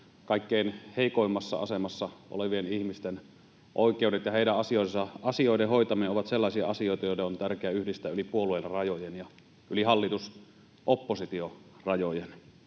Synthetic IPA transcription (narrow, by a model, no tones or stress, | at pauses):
kɑˑikːeinheˑikoimːɑsːɑ̰ɑ̰semɑsːɑʔo̰leʋienihmist̪en | ʔoˑikˑeudet̪jɑheˑiɾæʔʔɑsioˑsɑʔɑsioˑidehoˑit̪ɑmiɑoʋɑt̪selːɑˑisiɑ̰ɑsioˑit̪ɑjoˑideont̪ærkeæyhdist̪æːylipuoluelrɑjojenjɑ | ʔylihɑlːit̪us | ʔopːosit̪iorɑjojen